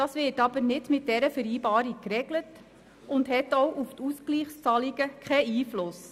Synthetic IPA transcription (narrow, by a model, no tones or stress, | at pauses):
d̥ɑːsʋɪːtɑb̥əɾnɪdmɪt̚d̥ɛɾəfəɾiːbɑːɾik̚kɾɛɡlət | ʊndhɛtɔwʔuftuskliːχst͡sɑliɡəkʰɛiːflʊs